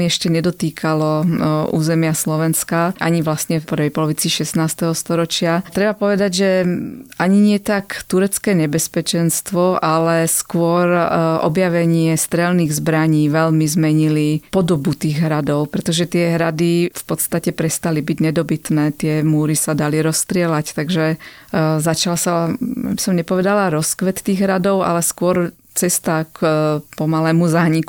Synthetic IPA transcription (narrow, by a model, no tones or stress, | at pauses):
miɛʃcɛɲɛd̪ɔt̪iːkʰalɔʔṵːzɛmɪaslɔʋɛnskaʔaɲiʋlasɲɛpɾʋɛjpɔlɔʋit͡siʃɛsnaːst̪ɛɦɔst̪ɔɾɔt͡ʃɪat̪ɾɛbapɔʋɛd̪aɟʒɛaɲiɲɪɛt̪akt̪uɾɛt͡skɛːɲɛbɛspɛt͡ʃɛnst̪ʋɔʔalɛskʊɔɾʔɔ̰bjaʋɛɲɪɛst̪ɾɛlniːɣzbɾaɲiːʋɛlmizmɛɲilipɔd̪ɔbut̪iːɣɦɾad̪ɔʊpɾɛt̪ɔʒɛt̪ɪɛɦɾad̪ifpɔt̪st̪acɛpɾɛst̪alibiɟɲɛd̪ɔbit̪nɛːt̪ɪɛmuːɾisad̪aliɾɔst̪ɾɪɛlact̪aɡʒɛ | zat͡ʃalasaja̰bisɔmɲɛpɔʋɛd̪alaɾɔskʋɛt̪t̪ːiːɣɦɾad̪ɔʊa̰lɛskʊɔɾ | t͡sɛst̪akpɔmalɛːmuzaːɲiku